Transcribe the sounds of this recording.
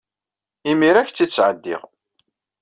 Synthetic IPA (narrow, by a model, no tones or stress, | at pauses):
imiɾæçt͡sːit͡sːʕəd̪ːḭʁ